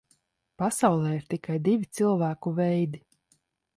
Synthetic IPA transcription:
pasawlˠɛːiɾt̪ikajd̪ivʲit̪sɨlˠvæːkuvɛjd̪i

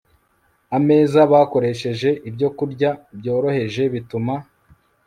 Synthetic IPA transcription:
ame̞ːzaβaːko̞ɾe̞ʃe̞ʒe̞ʔibɟo̞kuɾɟabjo̞ːɾo̞he̞ʒe̞βituma

